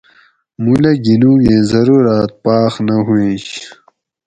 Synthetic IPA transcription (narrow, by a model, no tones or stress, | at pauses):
mulɐɡinũːɡẽːzɐɾuɾaːt̪̚paːxnɐɦuẽːɕ